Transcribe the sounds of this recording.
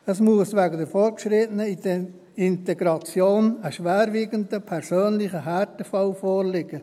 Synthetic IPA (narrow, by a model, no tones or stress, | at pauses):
əsmuəsvɛɡədəɾfɔːɾkʃɾɪtənəidə | ɪnteɡɾɑt͡sjoːnəʃʋɛːɾviːɡəndəpʰɛɾsøːnlɪχəɦaɾtəfɑlfoːɾlɪɡə